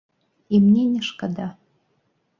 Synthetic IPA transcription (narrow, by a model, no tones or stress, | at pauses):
imnʲenʲɪʂkʼad̪a